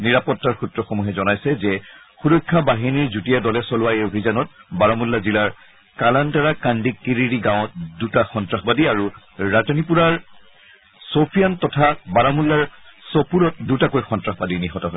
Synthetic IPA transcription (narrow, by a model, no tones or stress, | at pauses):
niɹapɔtːaɹxutɹɔxomuɦɛzɔnajsɛzɛ | xudojkʰːabaɦiniɹzutijadɔlɛsɔlʊwajobʱizanɔt̚baɹamulːazilaɹ | kalantaɹakandikːiɹiɹiɡãw̃ɔt̚dutaxɔntɹaxbadiaɹu | ɹatinipuɹaɹ | sopʰijantɔtʰabaɹamulːaɹsopuɹɔt̚dutakojxɔntɹaxbadiniɦɔtɔɦɔ